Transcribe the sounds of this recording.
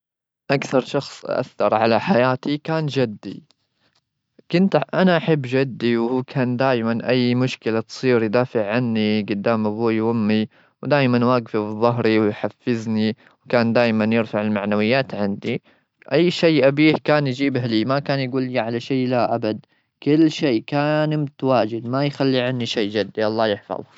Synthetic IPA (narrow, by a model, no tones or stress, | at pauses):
ʔakθɑɾˤʃɑxsˤʔa̰θːɑɾˤʕalaħajaːt̪ikaːnd͡ʒad̪ːḭ | kɪnt̪ʔanaʔaħabːd͡ʒad̪ːiwhuːkʰaːnd̪aːjmanʔajːmʊʃkɪlat̪sˤiːɾjd̪aːfɪʕʕanːiɡʊd̪ːaːmʔabuːjhʊmːi | wd̪aːjmanwaːɡfibɨðˤːʊɦɾiwɪjħafːɪzni | wkaːnd̪aːjmanjɪɾfaʕɪlmaʕnawɪjːaːt̪ʕɪnd̪i | ʔajːʃeːʔabiːhkaːnjd͡ʒiːbɦliːmakaːnjɡuːliʕalaʃeːlaʔabad̪ | kɪlːʃeːkaːnɪmt̪waːd͡ʒɪd̪majxalːiʕanːiʃeːd͡ʒad̪ːiʔɑlˤːɑːjɪħfɑ̰ðˤ